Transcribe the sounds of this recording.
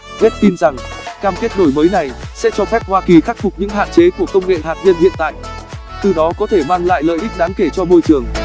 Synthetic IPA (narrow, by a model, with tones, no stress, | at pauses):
ve˦˥t̚t̪i˧nza˨˩ŋkaː˧mke˦˥t̚ɗno˧˩jməː˨˦jna˨˩jsɛ̰˧˥t͡ɕɔ˧fɛ˦˥p̚hwaː˧ki˨˩xaː˦˥k̚fʊ˨˩k͡p̚ɲɨ̰˧˥ŋɦa̰ː˧˨nt͡ɕe˨˦ku˧˩əkə˧wŋ͡mŋḛ˧˨ɦaː˨˩t̚ɲə˧nhḭ˧˨ənt̪a̰ː˧˨j | t̪ɨ˨˩ɗɔ˨˦kɔ˨˦t̪ʰe˧˩maː˧ŋla̰ː˧˨jlə̰ː˧˨jʔï˦˥k̟̚ɗaː˨˦ŋke˧˩t͡ɕɔ˧mo˧jt͡ɕɨ˨˩əŋ